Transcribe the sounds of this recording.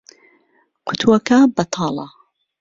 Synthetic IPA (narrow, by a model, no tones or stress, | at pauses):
kʰʊt̪ʰwɐkabɐt̪ʰɑːlɑ̰